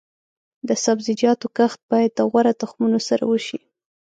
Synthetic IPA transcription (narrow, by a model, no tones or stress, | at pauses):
d̪əsabzɪd͡ʒjɑt̪okaxt̪̚bɑjad̪̚ːaɣwaɾat̪axmunosaɾa̰wəʃi